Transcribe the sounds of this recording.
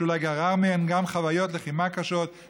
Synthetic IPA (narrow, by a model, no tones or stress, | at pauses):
ulaɡaʁaʁmeɛnɡamχavajot̪leχimakaʃot̪